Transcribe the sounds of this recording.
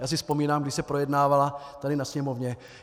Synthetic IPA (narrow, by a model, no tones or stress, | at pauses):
jaːs̬ɪfspo̞miːnaːmɡdɪʃsɛpɾojɛdnaːvalat̪adɪnasɲɛmovɲɛ